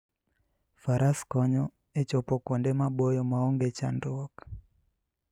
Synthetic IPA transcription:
faɾʔaskɔɲɔ | et͡ʃɔpɔkwondemaɓojɔmaoŋɡet͡ʃa̰ndɔk

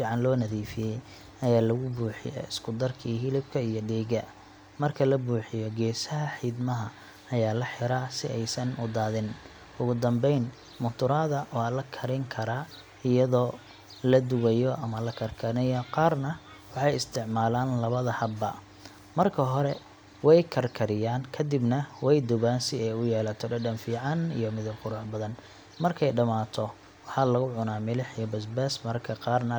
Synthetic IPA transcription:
fiːʕɑnlɔːnɐðiːfɪjɛj | ɐjaːlɐɣʊbuːħɪ̰jɔ̰ɪskʰʊd̪ɐrkʰiːhɪlɪb̚kʰɐijɔɖɛːɣɐ | mɐrkʰɐlɐbuːħɪjɔɡɛːsɐɦɐħiːd̪mɐɦɐ | ɐjaːlɐħɪɾaːsɪɛjsɐnʊd̪aːðɪn | ʊɣʊd̪ɐmbɛjn | mʊnt̪ʰʊɾaːðɐʔɔlɐkʰɐɾɪŋkʰɐɾaː | ɪjɐðɔː | lɐd̪ʊwɛjɔʔɐmɐlɐkʰɐrkʰɐnɐjɐqɑːrnɐ | wɑħɑjɪst̪ʰɪʕmaːlaːnlɐβɐðɐhɐbɐ̰ | mɐrkʰɐɦɔɾɛ | wɛjkʰɐrkʰɐɾɪjaːnkʰɐd̪ɪbnɐwɛjd̪ʊβaːnsɪɛjʊjɛːlɐt̪ʰɔɖɐɖɐnfiːʕɑnḭjɔmɪðɪbqʊɾʊħbɐðɐn | mɐrkʰɛjɖɐmaːt̪ʰɔ | wɑħɑlɐɣʊʕʊnaːmɪlɪħijɐbɐsbɛːsmɐrkʰɐqɑːrnɐ

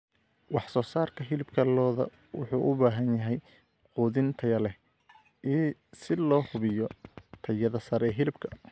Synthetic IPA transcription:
wɑħsɔːsaːrkʰɐɦɪlɪbkʰɐlɔːðɐ̰ | wʊ̰ħuːʔʊbaːɦɐnjɐɦɛj | quːðɪnt̪ʰɐjɐlɛ | ʔɛːsɪlɔːhʊβɪjɔt̪ʰɐjɐðɐsɐɾɛɦɪlɪbkʰɐ̥

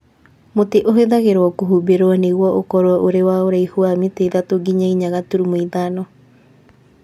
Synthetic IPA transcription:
moteʔoɦeðaɣeɾoɔkoɦubeɾoaneɣwɔʔokɔɾoɔʔoɾewaoɾaihuamiteðatoɡiɲaiɲaɣatuɾumoiðanɔ

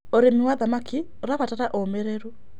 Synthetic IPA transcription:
oɾemiwaðamaki | oɾaβataɾaʔomɛɾɛɾu

